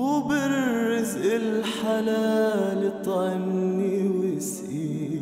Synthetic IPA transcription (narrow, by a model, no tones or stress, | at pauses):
ʊbɪɾɾːɪzʔɪlħalaːlit̪ˤʕɪniwɪsʔi